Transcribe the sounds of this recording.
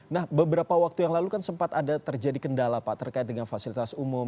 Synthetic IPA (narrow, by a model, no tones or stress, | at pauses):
nahbəbəɾapawak̚t̪ujaŋlalukansəmpat̪adat̪ərd͡ʒadikəndalapaʔt̪ərkaɪt̪̚dəŋanfasilit̪asumum